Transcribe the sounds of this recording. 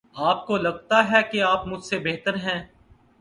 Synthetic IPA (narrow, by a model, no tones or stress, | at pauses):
aːp̚kolɐɡt̪aɦɛkeaːpmʊd͡ʒʱsebeɦt̪əɾɦɛ̃ː